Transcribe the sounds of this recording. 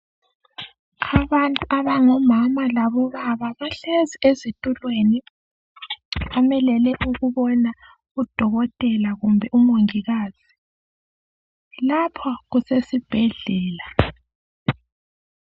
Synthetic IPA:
aβantʼuʔaβaŋɔmamalaβɔβaβaβaɬeziezitʼulweni | βamɛlɛlɛʔuɣuβɔna | ɣud̥ʱɔɣɔtʼɛlaɣumbʱɛʔumoŋiɣaːz̥i | lapʰɔɣusesib̥ʱɛɮɛːla

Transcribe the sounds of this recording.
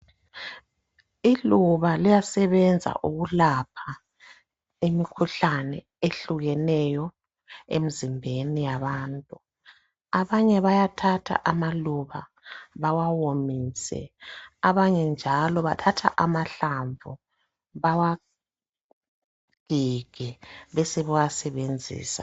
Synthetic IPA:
iluβalijasɛβɛnd͡zʱa̰ʔuɣulapʰa | emikʰuɬanɛ | eɬuɣɛnɛjɔ | ḛm̩zimbʱenijaβaːntʼu | aβaɲɛβajatʰatʰa̰ʔamaluβa | βawawomiːsɛ̰aβaɲɛnd͡ʒʱalɔβatʰatʰa̰ʔamaɬaɱvu | βawa | ɡ̥ʱiɡ̥ʱɛβɛsɛβɛwasɛβend͡zʱḭːsa̰

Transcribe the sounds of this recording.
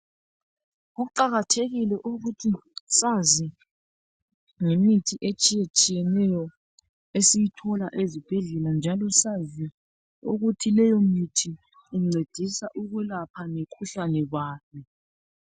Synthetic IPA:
ɣuǃaɣatʰeɣilɛʔuɣutʰisazi | ŋemitʰiʔet͡ʃʼijet͡ʃʼijɛnɛjɔ | esijitʰɔlaʔezib̥ʱɛɮɛland͡ʒʱalɔsazi | uɣutʰilɛjɔmitʰiː | ŋ͡ǀʱed̥ʱisaʔuɣwɛlapʰanekʰuɬanɛɣaːmɛ

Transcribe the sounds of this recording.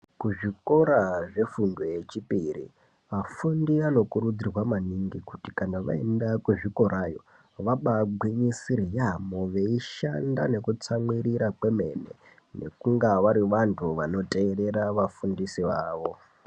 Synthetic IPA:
kuʐiko̞ɾaʐe̞fundoje̞t͡ʃipirḭ | mafundiano̞kuɾud͡zirwamaniŋɡikutikanaʋa̰e̞ndakweʐiko̞ɾajo̞̰ | ʋaɓaɡʱwiɲisirijamoʋe̞iʃandane̞kut͡samwiɾiɾakwe̞me̞ne̞̰ | ne̞̰kuŋɡaʋaɾiʋantʰuʋano̞tʼe̞ːɾe̞ɾaʋafundisiʋaːʋo̞

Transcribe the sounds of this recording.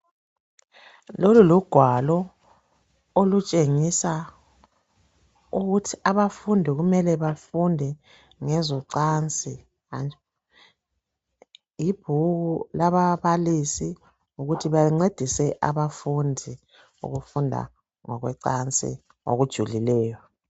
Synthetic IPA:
loluluɡ̥ʱwalɔ | olut͡ʃʼeŋisa | uɣutʰiaβafundʱiɣumɛlɛβafundʱɛ | ŋɛzɔǀant͡sʼi | an | jib̥ʱuɣulaβaβalisi | uɣutʰiβaŋ͡ǀed̥ʱisɛʔa̰βafundʱi | ṵɣufundʱa̰ | ŋɔ̰ɣwɛ̰ǀant͡sʼḭ | o̰ɣud̥ʒ̥ʱulilɛːjɔ

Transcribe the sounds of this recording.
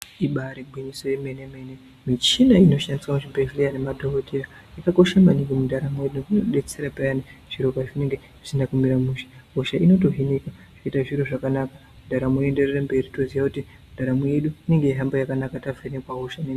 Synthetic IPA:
iɓaɾebʱwiɲiso̞jeme̞neme̞ne̞ | mit͡ʃinaino̞ʃandiswamuʃibevilijane̞madʱokotʰeɾa | ikako̞ʃamaniŋɡemudaɾamueɗuinoɗe̞t͡se̞ɾapajaniʐ̥iɾokaʐine̞ŋɡe̞ | ʐi̥sinakumiɾamuʃḁɦoʃaino̞to̞ɦineka | ʐ̥oitaʐiɾoʐakanakamundʱaɾamue̞nde̞rerambe̞ritoziʋakuti | mundʱaɾamuje̞ɗuine̞ŋɡe̞iɦambojakanakatavenekwaɦoʃane

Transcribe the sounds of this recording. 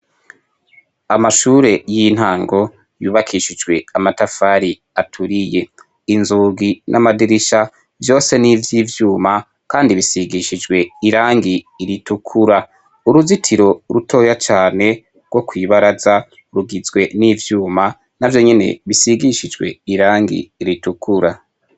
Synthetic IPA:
amaʃuːɾe̞jin̥haːŋɡo̞ | juːβakʰiʃid͡ʒɡwe̞amatafaɾi | atʰuɾije̞ | inzuːɡinʔamadiɾiʃa | vjo̞ːse̞nivjiːvjuːma | kaːndiβisiɡiʃid͡ʒɡwe̞iɾaːŋɡiːɾitukʰuɾa | uɾuzitʰiɾo̞ɾutʰo̞ːjat͡ʃaːne̞ | ɡwo̞kwiːβaɾaza | ɾuɡizɡwe̞niːvjuːma | navjo̞ɲe̞ne̞̰βisiɡiʃid͡ʒɡwe̞̰iɾaːŋɡḭːɾitukʰuɾa

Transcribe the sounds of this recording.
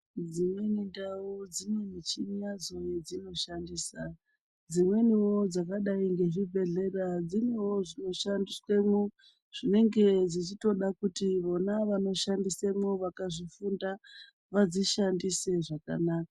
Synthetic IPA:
d͡zimwe̞nindaud͡zimwenit͡ʃinjad͡zojed͡zino̞ʃandiːsa | d͡zimwe̞niwod͡zakaɗaiŋɡe̞ʐibʱe̞ɮe̞rad͡zimwewo̞ʐino̞ʃandiswe̞mu | ʐ̥ine̞ŋɡe̞d͡zit͡ʃito̞ɗakutiʋo̞naʋano̞ʃandisemoʋakaʐifunda | ʋad͡ziʃandise̞ʐaka̰naːka

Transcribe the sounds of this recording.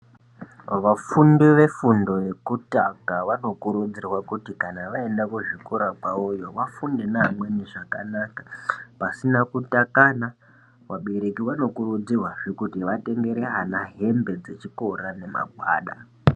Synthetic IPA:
ʋafundiʋe̞fundo̞je̞kutakaʋano̞kuɾud͡zirwakutikanaʋae̞ndakuʐikoɾak͡paojo̞ʋafundinaːmweniʐakanakḁpasinakutakana | waɓeɾekiʋano̞kurud͡zirwaʐekutiʋate̞ŋɡe̞ɾeɦanaɦe̞mbe̞d͡ze̞t͡ʃiko̞rane̞ma̰ɡʱwa̰ːɗa̰

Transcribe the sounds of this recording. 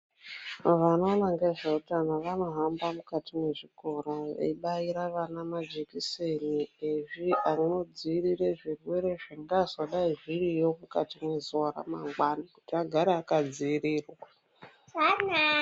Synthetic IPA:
ʋano̞ːnaŋɡeʐautanaʋano̞ɦambamukatimwe̞ʐikʰo̞roʋḛiɓaiɾaʋanamad͡ʒekisenieʐianno̞d͡zirireʐirwe̞ɾe̞ʐaŋɡazoɗaiʐirijo̞muka̰timwe̞zora̰ma̰ŋɡwanikutiaɡʱaɾeakad͡ziːriːrwaa | an

